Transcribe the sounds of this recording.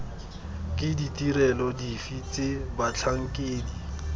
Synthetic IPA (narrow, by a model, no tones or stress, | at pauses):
kʼɪditiɾɛlɔdifit͡sebat͡ɬʰaŋ̩kʼeːdi